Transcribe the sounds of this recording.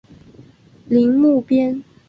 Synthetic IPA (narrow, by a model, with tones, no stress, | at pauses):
li˨˦˥ŋmu˥˨pjɛ˥n